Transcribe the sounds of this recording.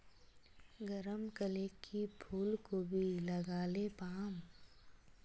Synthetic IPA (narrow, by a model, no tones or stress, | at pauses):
ɡəɾəmkəleːkʰːipʰuːlkobʱilɐɡaːlepaːm